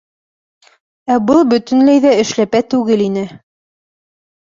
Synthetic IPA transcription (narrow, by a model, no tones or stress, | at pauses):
æbɤlˠbɵ̆t̪ɵ̆nlæjðæɘ̆ʃlæpæt̪ʉɡɘlinɘ